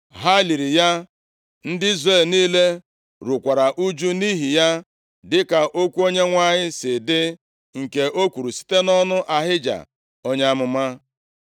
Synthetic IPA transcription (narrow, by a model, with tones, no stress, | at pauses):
ɦa˦li˨ɾi˨ja˦ | n̩˦dɪ˦i˦zre˦˨lniː˦le˦ | ɾu˨kʷa˨ɾa˨ʔu˦d͡ʒu˦ni˦ɦi˨ja˦ | dɪ˦ka˨ʔo˦kʷu˦o˦ɲe˦ŋʷa˦ɲɪ˦sɪ˨dɪ˦ | ŋ̩˨ke˨ʔo˦kʷu˨ɾu˨si̥˦te˦nɔ˦nʊ˦ʔa˨ɦɪ˦d͡ʒa̰˨ | o˦ɲe˦a˦mʊ˨ma˦